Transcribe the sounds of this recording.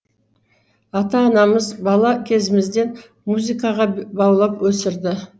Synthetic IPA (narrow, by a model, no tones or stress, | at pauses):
ɑt̪ɑːnɑməzbɑlˠɑkʲʰe̞zɪmɪzd̪e̞n | muzikɑʁɑbɑwlˠɑpwɵsɪɾd̪ɪ